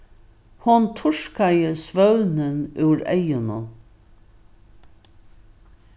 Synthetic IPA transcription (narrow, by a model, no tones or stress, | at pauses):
hʊnt̪ʰʊʂkajəsvœwnənʉːɾɛ̰jʊnʊ̰